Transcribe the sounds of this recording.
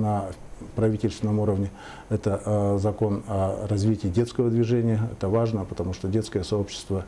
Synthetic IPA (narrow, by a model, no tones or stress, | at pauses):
nəpɾɐvʲitʲɪlʲst̪vʲɪnəmuɾəvnʲɪ | ɛt̪əzɐko̞nɐrɐzvʲitʲɪːdʲe̞t̪skəvəd̪vʲɪʐɛnʲɪjəɛ̰t̪əvaʐnəpət̪ɐmuʂt̪odʲe̞t̪skəjəsɐo̞pɕːɪ̥st̪və